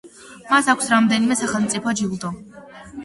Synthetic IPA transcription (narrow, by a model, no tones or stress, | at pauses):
masakʷʰsɾamd̪ɛnimɛsaχɛlˠmt̪sʼipʰɔd͡ʒiulˠd̪ɔ